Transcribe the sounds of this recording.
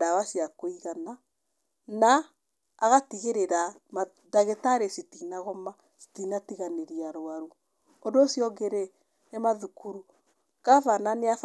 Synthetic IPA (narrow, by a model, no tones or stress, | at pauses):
dawasiakoiɣana | naː | ɣatiɣeɾeɾama | daɣetaɾesitinaɣɔma | si̥tinatiɣaneɾiaɾwaɾu | ondosjɔɡeɾe | nemaðukuɾu | kafananeaf